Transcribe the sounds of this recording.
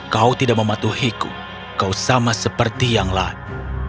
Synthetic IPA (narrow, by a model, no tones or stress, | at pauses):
kaut̪idaʔ̚məmat̪uhikṵ | kausamasəpərt̪ijaŋla